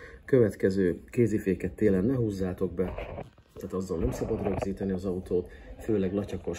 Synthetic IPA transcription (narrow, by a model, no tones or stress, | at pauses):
kø̞vɛt̪kɛzøːkeːzifeːkɛt̪ːeːlɛnːɛɦuːzːaːt̪o̞ɡ̚bɛ | t̪aːt̪ɒzːonnɛmsɒbɒd̪rø̞ɡziːt̪ɛniɒzɒut̪oːt̪føːlɛɡlɒcɒko̞ʃ